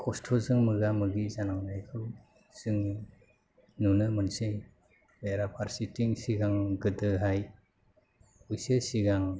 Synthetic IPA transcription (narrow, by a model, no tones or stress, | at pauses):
kʰɔstʰɔzɯŋmɯɡamɯɡizanaŋnajkʰɯw | z̥ɯŋ | nunɯmɯnsɯj | beɾapʰaɾsitiŋsiɡaŋɡɯdɯɦaj | ujsesiɡaŋ